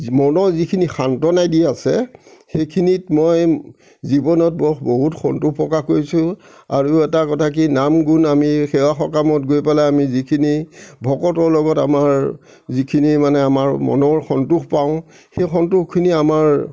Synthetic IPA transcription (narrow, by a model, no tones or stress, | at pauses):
mɔnɔzikʰinixantɔnajdiɛasɛ̰xejkʰinitmoj | zibɔnɔt̚bɔxboɦutxɔ̰ntuxpɹɔkaxkoɹisʊ̃ | a̰ɹuɛtakɔtʰak̬inamɡunamixɛwaxɔkamɔtɡojpɛlaamizikʰinibʱɔkɔtɔɹlɔɡɔtamaɹ | zikʰinimanɛamaɹmɔ̰nɔɹxɔntuxpaʊ̃ | xejxɔntuxkʰːiniamaɹ